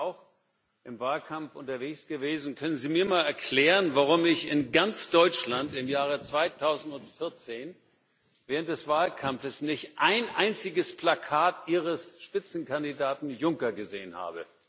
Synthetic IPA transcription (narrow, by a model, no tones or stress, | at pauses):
aʊx | ʔɪmvaːlkʰamfʔʊ̰ntɐveːçsɡ̥əveːzn̩kʰœnənziːmiːɐmaːlɛɐkl̥ɛːʁənvaʁʊmɪçɪnɡant͡sd̥ɔʏt͡ʃlantɪmjaːʁ̞ət͡sv̥aɪtʰaʊzn̩tʊntfɪɐt͡seːn | vɛːʁəntd̥ɛsv̥aːlkʰamfəsnɪçtʔaɪnʔaɪnt͡sɪɡəspl̥akʰaːtʔiːʁ̞əsʃpɪt͡sn̩kandidaːtn̩jʊŋkɐɡəzeːənha̰ːbə̰